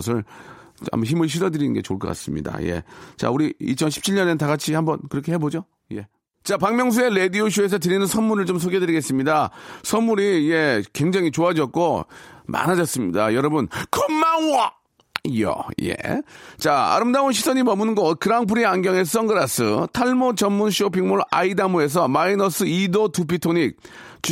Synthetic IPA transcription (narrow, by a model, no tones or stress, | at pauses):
s̬ʰɯɭ | a̰moçimɯɭɕ̬ʰidʌdɯɾinnɡe̞̰t͡ɕo̰ɭk͈ʌk͈a̰s͈ɯmɲḭda̰je̞̰t͡ɕa̰uɾiit͡ɕʰʌnɕʰi̥p̚t͡ɕʰiɭɲʌnetaɡat͡ɕʰihambʌnkɯɾʌkʰe̞ɦebod͡ʑo | je̞̰ | t͡ɕapaŋmjʌŋs̬ʰue̞le̞dioɕ̬ʰue̞s̬ʰʌt̬ɯɾinɯnsʰʌnmuɾɯɭt͡ɕoms̬ʰoɡe̞dɯɾiɡe̞s͈ɯmɲidasʰʌnmuɾiːje̞kweŋd͡ʑaŋit͡ɕoad͡ʑʌt̚k̚k͈oma̰nad͡ʑʌs͈ɯmɲḭda̰jʌɾʌbunkʰʌmːaa | jʌ̰jḛt͡ɕaa̰ɾɯmdaonɕ̬ʰisʰʌɲimʌmunnɡʌkɯɾaŋpʰɯɾianɡjʌŋe̞sʌŋɡɯɾas͈ʰɯ̰tʰaɭmot͡ɕʌnmːunɕʰiop̬ʰiŋmoɭa̰idamue̞s̬ʰʌmainʌs͈ʰɯidotup̬ʰitʰoɲik̚t͡ɕ